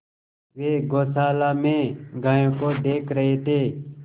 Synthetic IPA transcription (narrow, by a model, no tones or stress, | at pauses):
ʋeːɡoːsaːlaːmẽːɡaːjõːkoːd̪eːkʰɾəɦeːt̪eː